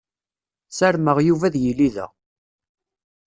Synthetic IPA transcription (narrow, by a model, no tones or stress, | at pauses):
sæɾməʁjuvæðjəlːiðæ̰